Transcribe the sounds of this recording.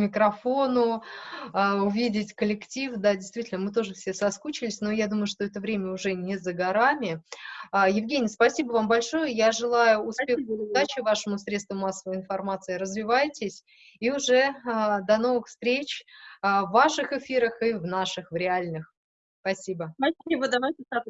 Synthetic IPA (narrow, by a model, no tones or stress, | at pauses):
mʲɪkɾɐfonʊ | əʊvʲidʲɪtʲkəlʲɪktʲifd̪adʲɪjst̪vʲitʲɪlʲnəmɨt̪o̞ʐɨfsʲesɐskut͡ɕɪlʲɪsʲno̞jad̪uməjʊʂt̪o̞ɛt̪əvɾʲemʲəʊʐɛnʲɪzəɡɐɾamʲɪəjɪvɡʲenʲɪjspɐsʲibəvambɐlʲʂo̞jəjaʐɨlˠajʊʊspʲexʊd̪at͡ɕɪvaʂəmʊsɾʲet̪st̪vəmasːəvəjɪn̪fɐrmat̪sɨɪɾəzvʲɪvajtʲɪsʲ | iʊʐɛəd̪ɐno̞vɨxfst̪ɾʲet͡ɕː | vːaʂɨxɪfʲiɾəxɨvnaʂɨxvɾʲɪalʲnɨx | spɐsʲibəibəd̪ɐvajtʲɪsa